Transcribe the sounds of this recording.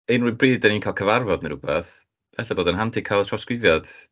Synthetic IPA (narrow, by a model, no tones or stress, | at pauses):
enrubriːdəniːnkʰaːlˠkʰəvarvɔdnəɾubaθ | v̥ɛɬaboːdənɦantʰɪkʰalˠtʰrɔskwɪvjɔd̥